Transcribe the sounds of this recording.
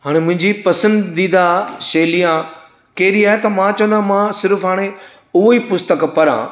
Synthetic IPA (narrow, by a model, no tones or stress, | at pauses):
ɦaːɽ̃emʊ̃ɦɪ̃ɲd͡ʑipɐsə̃nd̪d̪ĩːd̪aʃeːlijã | kɐɦɪɾiaːɦet̪ɐmãt͡ɕɐ̃ʋə̃nd̪ãmãsɪɾfɦaːɽ̃e | ʊɦoiːpʊst̪əkpɐɾã̰